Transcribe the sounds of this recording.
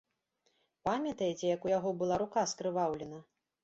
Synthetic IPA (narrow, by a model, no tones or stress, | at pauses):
pamʲɐt̪ɐjet͡sʲɛjɐkujaɣɔbɨlˠaɾukaskɾɨvawlʲɛnɐ